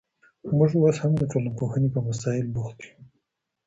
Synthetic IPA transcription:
mʊʐwoshamd̪əʈ͡ʂolampoxənepəmasɑɪlbuxt̪̚i̥u

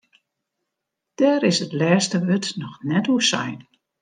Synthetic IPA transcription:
d̥ɛːɾɪsətlɛːstəʋøtnɔxnɛtuəsɛ̰jn

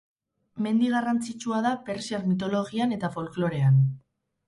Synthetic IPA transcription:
me̞nd̪iɣ̞arant͡sit͡ʃuaðape̞ɾsiaɾmit̪̬o̞lo̞ɣiane̞t̪afo̞lklo̞ɾe̞an

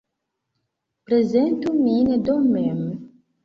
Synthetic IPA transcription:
pɾɛzɛnt̪uminʲɛd̪ɔmɛm

